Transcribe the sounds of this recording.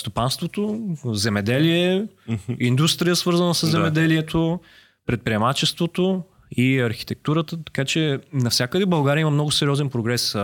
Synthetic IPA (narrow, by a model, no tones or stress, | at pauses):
st̪opanst̪vot̪ozɛmɛd̪ɛliɛ | ind̪ust̪ɾijəsvɤɾzənəsəzːɛmɛd̪ɛliɛt̪ʰo | pɾɛt̪̚pɾiɛmat͡ʃɛst̪vot̪o | iɐɾxi̥t̪ɛk̚t̪uɾət̪ət̪ɐ̥kat͡ʃɛnɐfsʲjakəd̪ɛbɐlˠɡaɾiəiməmnɔɡʊsɛɾiɔzɛnpɾoɡɾɛs